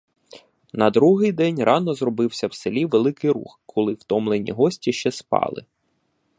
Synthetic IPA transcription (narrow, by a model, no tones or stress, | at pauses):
nɐd̪ɾuɦɪjd̪ɛnʲrɑnɔzrɔbɪwsʲɐwselʲiʋelˠɪkɪjɾṵxkʰɔlˠɪwt̪ɔmlˠenʲḭɦɔsʲtʲiʃt͡ʃɛspɑ̰lˠɪ̰